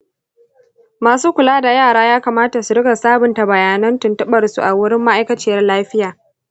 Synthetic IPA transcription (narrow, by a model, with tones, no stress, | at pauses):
maː˨suː˦kʷʊ˨laː˦da˨jaː˦˨ɽaː˦jaː˦kaː˨maː˦ta˨su˨ɽɪ˦ɡa˨saː˦bʊ˨nta˨bɐ˨jaː˨nɐ˦ntʊ˨ntɐ˦ɓɐ˨rsṵ˨ʔa˨wʊ˦ɽɪ˦mːa˦ʔa˦jkɐ˦t͡ʃɪː˦˨jɐ˦rlaː˦ɸɪ˦jaː˨